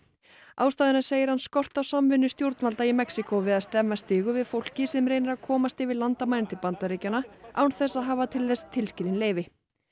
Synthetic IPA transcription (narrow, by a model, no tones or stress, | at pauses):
aːwst̪aːðɪnaseːjɪɾ̥hanskɔr̥t̪awsamvɪnːʏst̪jowɾt̪nvalt̪aimɛksikovɪðaðst̪ɛmːast̪ɪːɣʏvɪðfowl̥cɪsɛmɾeːjnɪɾaðkʰɔːmast̪ɪvɪðlant̪amajnnt̪ɪpant̪aɾecanaʔawnθɛsaðɦaːvat̪ʰɪlθɛst̪ʰɪlscɪlɪnleːjvɪ